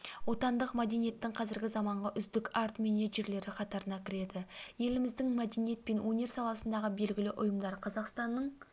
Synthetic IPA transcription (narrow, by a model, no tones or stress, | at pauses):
wo̞t̪ɑnd̪əqmad̪e̞nije̞t̪ːɪŋqʰɑzɪɾɡʲɪzɑmɑɴʁɑʔʏzd̪ɪkɑɾt̪meneʒe̞ɾle̞ɾɪqʰɑt̪ɑɾənɑkʲʰɪɾe̞d̪ɪje̞lɪmɪzd̪ɪŋmæd̪e̞nije̞t̪̚pe̞nwɵne̞ɾsɑlˠɑsənd̪ɑʁəbe̞lɡʲɪlɪʔʊjəmd̪ɑɾqʰɑzɑqst̪ɑnːəɴ